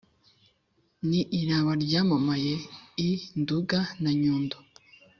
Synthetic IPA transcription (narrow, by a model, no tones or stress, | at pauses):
niʔiɾaβaɾɟamamajeinduɡanaɲuːndo